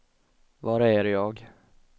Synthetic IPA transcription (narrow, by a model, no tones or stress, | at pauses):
vɑɾæɾjɑːɡ